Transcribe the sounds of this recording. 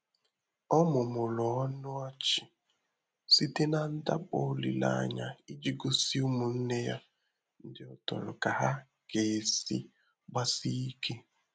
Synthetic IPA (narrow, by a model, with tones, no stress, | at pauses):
ɔ˦mʊ˨mʊ˨lɔ˨ɔ˦nʊ˦ɔ˦t͡ʃɪ˨ | si˦te˦na˦n̩˦da̰˦k͡pɔ˦lḭ˨la̰˦ɲa̰˦i˦d͡ʒi˦ɡo˦si˦u˦mu˨n̩˦ne˦ja̰˦ | n̩˦dɪ˦ɔ˦tɔ̰˨ɾʊ˨ka˨ɦa˦ | ke˨sḭ˦ | ɡ͡ba˦si˦i˦kʰe˦